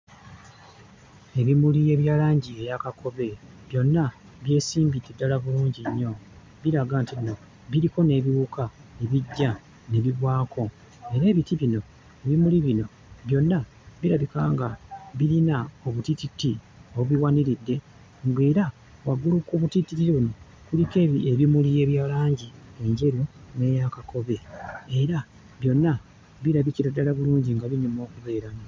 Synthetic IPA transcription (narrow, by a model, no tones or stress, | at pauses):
e̞βimulie̞βjaːlaːɲɟie̞jakako̞βe̞ | βjo̞nːa | βje̞ːsiːmbidːedːalaβuluːɲɟiɲːo̞ | βiɾaɡantiβino | βiɾiko̞ne̞βiuːkʰaneβiɟːa | ne̞βiβwaːkʰo̞ | e̞ɾe̞ːβitiβino̞ | eβimuliβino̞ | βjo̞nːa | βiɾaβikaːŋɡaβiɾinao̞βutititi | oβuβiwaniɾidːe̞ | ŋɡeːɾa | waɡulukuβutititiɾiβuno̞ | kulikeβieβimulije̞ːβjaːlaːɲɟie̞ɲɟe̞ɾjo̞ne̞jakakʰo̞βe̞e̞ɾa | βjo̞nːa | βiɾaβiciɾadːalaβuluːɲɟiŋɡaβiɲumo̞ːkuβe̞ːɾano